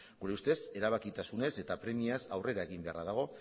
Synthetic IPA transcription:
ɡuɾe̞ust̪e̞se̞ɾaβ̞akit̪asune̞se̞t̪apɾe̞miasawre̞ɾae̞ɣ̞imbe̞araðaɣ̞o̞

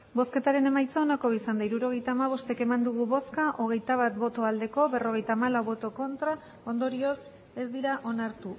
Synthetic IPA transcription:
bo̞ske̞t̪aɾe̞ne̞majt͡saonako̞βisand̪aiɾuɾo̞ɣe̞jt̪aːmaβ̞o̞st̪e̞ke̞mand̪uɣ̞uβo̞skaʔo̞ɣ̞e̞jt̪aβ̞at̪bo̞t̪o̞ald̪e̞ko̞βe̞ro̞ɣ̞e̞jt̪aːmalawβo̞t̪o̞ko̞nt̪ɾa | o̞nd̪o̞ɾio̞s | e̞zd̪iɾaʔo̞naɾt̪u

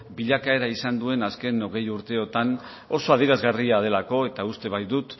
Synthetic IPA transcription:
biʎakae̞ɾaisand̪ue̞naske̞no̞ɣ̞e̞juɾt̪e̞o̞t̪an | o̞so̞að̞iɾazɣariað̞e̞lako̞e̞t̪aust̪e̞β̞ajd̪ut̪

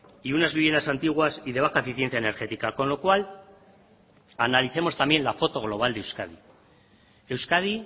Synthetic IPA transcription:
iunazβiβjend̪asant̪iɣ̞wasiðe̞β̞axaefiθje̞nθjaene̞ɾxe̞t̪ikako̞nlo̞kwal | analiθe̞mo̞st̪ambje̞nlafo̞t̪o̞ɣ̞lo̞β̞ald̪ewskaði | e̞wskaði

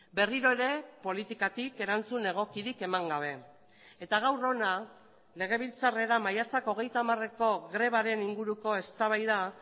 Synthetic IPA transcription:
be̞riɾo̞eɾe̞po̞lit̪ikat̪ike̞ɾant͡sune̞ɣ̞o̞kiɾike̞maŋɡaβ̞e̞ | et̪aɣ̞awɾo̞na | le̞ɣ̞e̞β̞ilt͡sare̞ɾamajat͡sako̞ɣe̞jt̪amare̞ko̞ɣɾe̞β̞aɾe̞niŋɡuɾuko̞e̞st̪aβajða

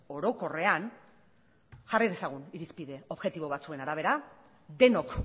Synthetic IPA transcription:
o̞ɾo̞ko̞re̞an | ʝarið̞e̞saɣ̞uniɾispiðe̞o̞βɣe̞t̪iβo̞βat͡sue̞naɾaβ̞e̞ɾa | d̪e̞no̞k

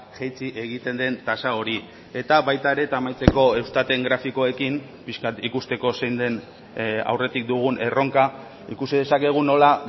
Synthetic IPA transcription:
ʝejt͡siʔe̞ɣ̞it̪e̞nd̪e̞nt̪asao̞ɾi | e̞t̪aβajt̪aeɾe̞t̪amajt͡se̞ko̞e̞wst̪at̪e̞ŋɡɾafiko̞e̞kim | piskat̪ikust̪e̞ko̞se̞jnd̪e̞n | a̰wre̞t̪ik̚d̪uɣ̞une̞ro̞ŋka | ḭkusiðe̞sake̞ɣ̞uno̞la

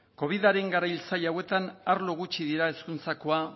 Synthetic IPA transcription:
ko̞β̞iðaɾe̞ŋɡaɾajlt͡sajawe̞t̪anaɾloɣut͡ʃiðiɾae̞skunt͡sako̞a

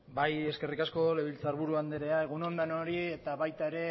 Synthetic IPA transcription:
baje̞ske̞rikasko̞le̞βilt͡saɾβuɾuand̪eɾeae̞ɣ̞uno̞nd̪anoɾie̞t̪aβajt̪ae̞ɾe̞

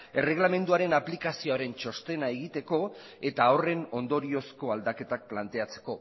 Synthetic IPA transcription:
e̞re̞ɣlame̞nd̪uaɾe̞naplikasio̞aɾe̞nt͡ʃo̞st̪e̞nae̞ɣ̞it̪e̞ko̞ | e̞t̪aore̞no̞nd̪o̞ɾio̞sko̞ald̪ake̞t̪ak̚plant̪e̞at͡se̞ko̞

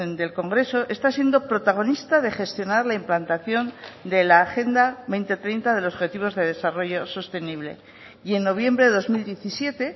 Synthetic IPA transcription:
ond̪e̞lko̞ŋɡɾe̞so̞ʔe̞st̪asje̞nd̪o̞pɾo̞t̪aɣ̞o̞nist̪aðe̞xe̞st̪jo̞naɾlaimplant̪aθjo̞nd̪e̞laːxe̞nd̪aβe̞jnt̪e̞t̪ɾejnt̪aðe̞losxe̞t̪iβo̞zðe̞ðe̞saro̞ʝo̞so̞st̪e̞niβ̞le̞̰ | ie̞nːo̞β̞je̞mbɾe̞ðeðo̞zmild̪je̞θisje̞t̪e̞

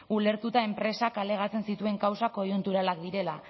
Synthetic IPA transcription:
ule̞ɾt̪ut̪ae̞mpɾe̞sakale̞ɣ̞at͡se̞nsit̪ue̞ŋkawsako̞junt̪uɾalak̚d̪iɾe̞la

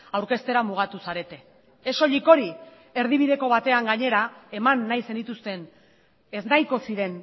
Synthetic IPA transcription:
awɾke̞st̪e̞ɾamuɣ̞at̪usaɾe̞t̪e̞ | eso̞ʎiko̞ɾi | e̞ɾðiβ̞iðe̞ko̞βat̪e̞aŋɡaɲe̞ɾae̞manːajse̞nit̪ust̪e̞n | e̞znajko̞siɾe̞n

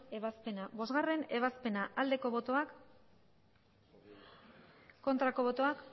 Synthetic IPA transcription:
e̞βaspe̞nabo̞zɣare̞ne̞β̞aspe̞naʔald̪e̞ko̞βo̞t̪o̞ak | ko̞nt̪ɾako̞βo̞t̪o̞ak

